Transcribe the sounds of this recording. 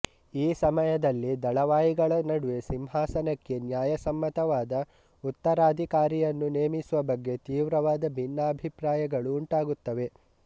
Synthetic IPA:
iːsɐmɐjɐd̪ɐlːid̪ɐɭɐʋaːjiɡɐɭɐnɐɽuʋe̞simɦaːsɐnɐkːe̞njaːjɐsɐmːɐt̪ɐʋaːd̪ɐ | ut̪ːɐɾaːd̪ʱikaːɾijɐnːune̞ːmisuʋɐbɐɡːe̞t̪iːʋɾɐʋaːd̪ɐbʱinːɐːbʱipɾaːjɐɡɐɭuːɳʈaːɡut̪ːɐʋe̞

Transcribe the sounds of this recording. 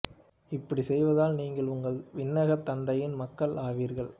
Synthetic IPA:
ɪpːɐɽisɛjʋɐðaːlniːŋɡɐɭʊŋɡɐɭʋɪnːɐɣɐt̪ːɐnd̪ɐjɪnmɐkːɐɭaːʋiːɾɣɐɭ

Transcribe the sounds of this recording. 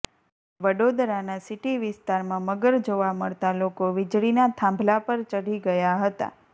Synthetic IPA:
ʋəɽod̪ɾanasɪʈiʋɪst̪aɾmãməɡəɾd͡ʒoʋaməɭt̪alokoʋɪd͡ʒɭinat̪ʰãmbʱlapəɾt͡ʃəɽiɡəjaɦət̪a̰

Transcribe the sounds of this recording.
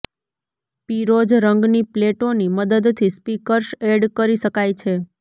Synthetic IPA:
piɾod͡ʒɾəŋɡnipleʈoniməd̪əd̪t̪ʰispikəɾʃeɖkəɾiʃəkajt͡ʃʰe

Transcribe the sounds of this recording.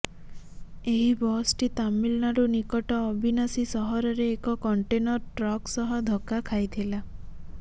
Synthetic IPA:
eɦibɔsʈit̪amilnaɾunikɔʈɔːbʱinasisɔɦɔɾɔɾeːkɔkɔɳʈenɔɾʈɾɔksɔɦɔd̪ʱɔkakʰajt̪ʰila

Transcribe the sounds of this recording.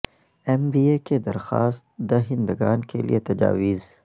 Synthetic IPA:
ɛmbiːeked̪ɐɾxa̰ːst̪d̪ɐɦɪ̃nd̪əɡaːnkʰḛlḭʔet̪ɐd͡ʒa̰ːʋiːz

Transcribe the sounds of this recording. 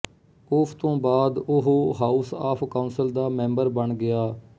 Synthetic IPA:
ʊpʰt̪õːbaːd̪ʊɦoːɦaːusaːpʰkaʊːnsəld̪aːmɛ̃ːmbəɾbəɳɡɪaː

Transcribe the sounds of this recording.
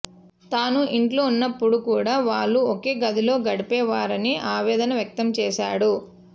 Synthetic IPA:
t̪aːnuʔiɳʈloːunːɐpːuɽukuːɽaːʋaːɭːuoke̞ːɡɐd̪ilo̞ːɡɐɽipɛːʋaːɾɐniʔaːʋɛːd̪ɐnɐʋjɐk̚t̪ɐmt͡ʃɛːʃa̰ːɽu

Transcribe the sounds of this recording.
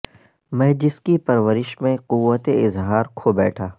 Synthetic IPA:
mɛ̃ːd͡ʒɪskipɐɾʋəɾɪʃmẽqʊʋːət̪eɪzɦaːɾkʰobɛːʈʰaː

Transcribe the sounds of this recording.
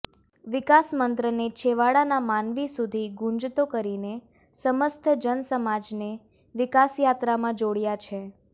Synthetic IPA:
ʋɪkasmənt̪ɾənet͡ʃʰeʋaɽanamanʋisud̪ʱiɡũnd͡ʒt̪okəɾine | səməst̪ʰəd͡ʒənəsəmad͡ʒne | ʋɪkasjat̪ɾamãd͡ʒoɽjat͡ʃʰe

